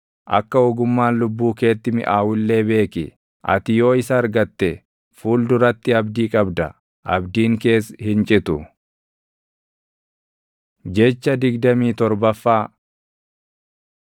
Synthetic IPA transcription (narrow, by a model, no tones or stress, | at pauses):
ʔɐ̰kːɐɔɡʊmːaːnlʊbːuːke̞ːt̪ːɪmɪ̰ʔaːwʊlːe̞ːbe̞ːkɪ | ʔɐ̰t̪ɪjo̞ːɪsɐːɾɡɐt̪ːɛ | fuːld̪ʊɾɐt̪ːɪɐbd̪iːkʼɐbd̪ɐ | ʔɐ̰bd̪iːŋke̞ːshɪnt͡ʃʼɪt̪ʊ | d͡ʒɛt͡ʃːɐd̪ɪɡd̪ɐmiːt̪ɔɾbɐfːaː